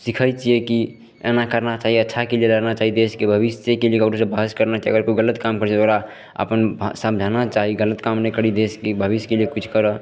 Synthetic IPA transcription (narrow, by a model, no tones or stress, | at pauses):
sikʰəjt͡ʃijeki | ḛnakəɾnat͡ʃaɦiətːʃʰakelijelənat͡ʃaɦid̪eskebʱəβisekeliekəɾosebʱəɦskəɾnat͡ʃiəɡəɾkoiɡələt̪kamkəɾt͡ʃʰɛoɡɾa | ə̰pənsəmd͡ʒʱanat͡ʃaɦiɡələt̪kamnɛkəɾid̪eskebʱəbiskeliekut͡ʃʰkəɾə